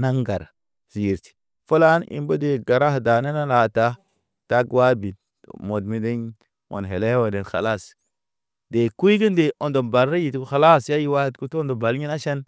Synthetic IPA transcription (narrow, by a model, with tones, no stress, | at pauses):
na˦ŋɡa̰˨ɾ | zi˨ɾti̥˨ | fo˦la˦nḭ˨mbo˦de˨ɡa˨ɾa˦hda˨ne˦na˦la˨ta˦ | ta˦kwa˦bi˨t | mo˨dmi˦de˦ɲ | o̰˨nɦe˨le˦wo˨de˨nxa̰˨la˦˨s | de˨ku˦i˦ɡi˦nde˨ʔo˨ndo˨mba˨lɾe˦ji˨txa˨la˦sja˦ji˦wa˦˨tku˦to˦ndo˨ba˨lɲi˦na˦ʃe˦n